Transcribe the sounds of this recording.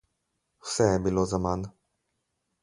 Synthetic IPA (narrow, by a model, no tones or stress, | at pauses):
wsɛjɛbilozaman